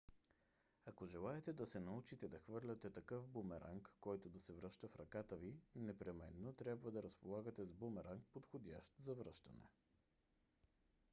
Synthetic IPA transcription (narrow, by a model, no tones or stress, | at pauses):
akoʒɛlˠaɛt̪ɛd̪ɐsɛnɐut͡ʃit̪ɛd̪ɐxvɤɾlʲɐt̪ɛt̪ɐkɤfbomɛɾʔa̰ŋkːɔjt̪od̪ɐsɛvɾəʃt̪əfɾɐkat̪əvinɛpɾɛmɛ̰nːot̪ɾʲjabvəd̪ɐɾəspolˠaɡət̪ɛzbomɛɾaŋk̚pot̪xod̪ʲa̰ʃt̪zɐvɾəʃt̪ɐnɛ̰